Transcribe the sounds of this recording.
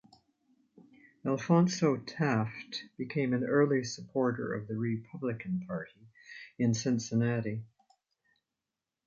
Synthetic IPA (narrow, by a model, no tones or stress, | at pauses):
ælˠfɑ̃nsoʊtʰæftb̥ɨkʰẽɪ̃mɨ̃nɜ˞lˠisəpʰɔɹɾə̰˞ʌ̰vðɨɹɪpʰʌblɨkʰɨ̃n̩pʰɑɹɾiɨ̃nsɪ̃ntsɨnæɾi